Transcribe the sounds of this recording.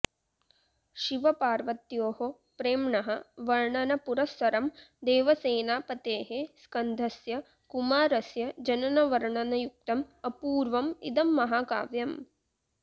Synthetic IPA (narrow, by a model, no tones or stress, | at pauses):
ʃiʋɐpaːɾʋɐt̪joːho | pɾeːmɳɐɦɐʋɐɾɳɐnɐpuɾɐsɐɾɐmd̪eːʋɐseːnaːpɐt̪eːɦeskɐnd̪ʱɐsjɐ | kumaːɾɐsjɐd͡ʒɐnɐnɐʋɐɾɳɐnɐjuk̚t̪ɐmɐpuːɾʋɐmḭd̪ɐmːɐɦaːka̰ːʋjɐm